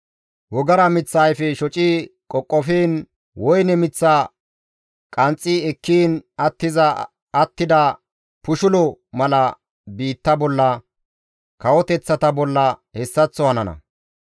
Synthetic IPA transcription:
wɔɡɐɾɐmɪt͡sːaːjfɛʃɔt͡ʃʼiːkʼɔkʼːɔfiːn | wɔjnɛmɪt͡sːa | kʼɐnt͡sʼːiɛkːiːnɐt̪ːɪzɐː | t̪ːɪd̪ɐ | pʊʃʊlɔmɐlɐ | biːt̪ːɐbɔlːɐ | kɐwɔt̪ɛt͡sːɐt̪ɐbɔlːɐhɛsːɐt͡sːɔhɐnɐnɐ̰

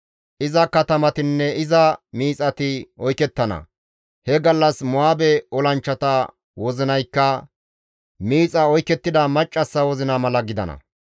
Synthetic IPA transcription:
ʔɪzɐkɐt̪ɐmɐt̪ɪnːɛɪzɐmiːt͡sʼɐt̪ɪɔjkɛt̪ːɐnɐ̰ | hɛɡɐlːɐsmʊaːbɛɔlɐnt͡ʃːɐt̪ɐ | wɔzɪnɐjkːɐ | miːt͡sʼɐɔjkːɛt̪ːɪd̪ɐmɐt͡ʃʼːɐsːɐwɔzɪnɐmɐlɐɡɪd̪ɐ̰nɐ̰

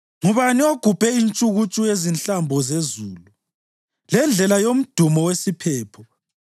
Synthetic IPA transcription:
ŋuβanioɡ̥ʱub̥ʱɛint͡ʃʼuɣut͡ʃʼujezinɬambʱɔzezuːlu | lɛnd͡ɮʱɛlajom̩d̥ʱumɔwesipʰɛːpʰɔ

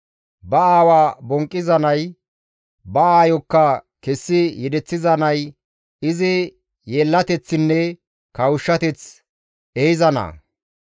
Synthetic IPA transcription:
bɐaːwaːbɔŋkʼːɪzɐnɐj | bɐaːjɔkːɐkɛsːɪjɛd̪ɛt͡sːɪzɐnɐj | ɪzɪ | jeːlːɐt̪ɛt͡sːɪnːɛ | kɐwʊʃːɐt̪ɛt͡s | ejɪzɐnɐ̰

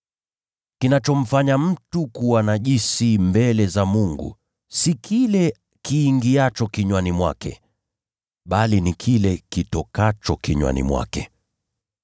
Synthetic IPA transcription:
kinat͡ʃɔm̩faɲam̩tukuwanaʄisimbɛlɛzamuŋɡṵ | sikʰilɛ | kiːŋɡiat͡ʃɔkiɲwanimwa̰kɛ̰ | ɓalinikʰilɛkitɔkat͡ʃɔkiɲwa̰nḭmwa̰kɛ

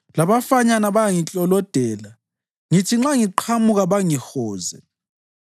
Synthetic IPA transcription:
laβafaɲanaβajaŋit͡ɬʼɔlɔd̥ʱɛːla | ŋitʰiŋ͡ǁaŋiǃʰamuɣaβaŋixɔːzɛ

